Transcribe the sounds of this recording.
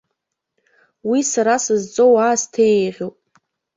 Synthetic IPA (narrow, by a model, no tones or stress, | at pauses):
wisaɾasɨzt͡sʼowaːstʰejʁʲowpʼ